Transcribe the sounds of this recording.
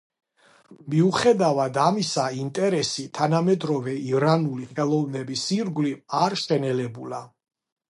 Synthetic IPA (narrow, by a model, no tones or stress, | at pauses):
miuχɛd̪avad̪amisaint̪ʼɛɾɛsit̪ʰanamɛd̪ɾɔvɛiɾanuliχɛlˠɔvnɛbisiɾɡliaɾʃɛnɛlɛbula